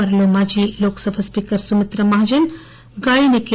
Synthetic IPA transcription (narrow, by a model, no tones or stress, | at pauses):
ɐɾlomad͡ʒiːloːksəbʱɐspiːkəɾsumɪt̪ɾəmaɦd͡ʒɐn | ɡaːineke